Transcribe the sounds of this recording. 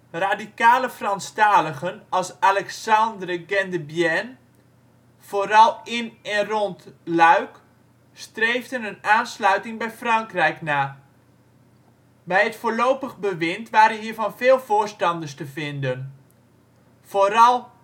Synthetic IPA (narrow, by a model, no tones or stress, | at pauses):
raːdikaːləfrɑnstaːləɣənɑlˠsalɛksɑndrəɡɛndəbjɛn | v̥oːɾɑlˠɪnɛnrɔntlœɥk | strejvdənənaːnslœɥtɪŋbɛjfrɑŋkrɛjknaː | bɛjɦətfoːɹlowpəɣbəʋɪntʋaːɾənɦiːɹvɑnvɪːlˠvoːɹstɑndəstəvɪndən | v̥oːɾɑlˠ